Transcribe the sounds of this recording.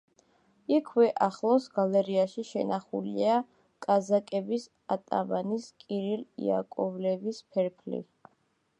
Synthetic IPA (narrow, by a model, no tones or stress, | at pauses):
ikʰwɛʔaχlˠɔsɡalɛɾiaʃiʃɛnaχṵlia | kʼazakʼɛbis | at̪ʼa̰maniskʼiɾilḭa̰kʼɔvlɛvispʰɛɾpʰlḭ